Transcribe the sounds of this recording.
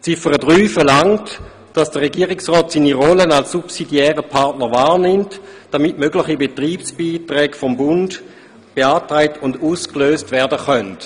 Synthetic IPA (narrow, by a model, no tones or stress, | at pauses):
t͡sifəʁədʁyːfəlaŋt | d̥asd̥əʁeɡiəʁɪksʁɔːtsiːniʁɔlənalsːupsidiɛːʁəpʰaʁtnəʁvaːʁnɪmtd̥amitmøɡlɪχibetʁiːpsb̥iːtʁɛːɡfombʊnd | b̥eaːtʁaɪtʰʊnduːskløːstvɛɐdəχœnt